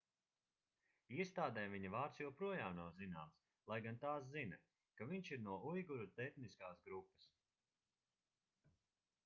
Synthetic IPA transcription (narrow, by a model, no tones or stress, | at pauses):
iɛst̪aːd̪ɛːviɲɐvaːɾt̪sjɛwpɾuɔjaːmnawzinaːms | lˠajɡant̪aːs̬zinɐ | kaviɲʃiɾnuɔʔujɡuɾut̪ɛxniskaːsɡɾupːɐ̥s